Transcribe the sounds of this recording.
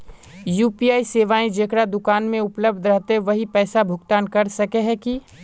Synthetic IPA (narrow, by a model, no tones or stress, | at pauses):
juːpiːaːiseːʋaːĩd͡ʒeːkɽad̪ʊkaːnmẽʊpləbʱd̪ʱɾəɦt̪eʋɐɦipɛːsabʱʊkt̪aːnkɐɾsɐkeɦɛki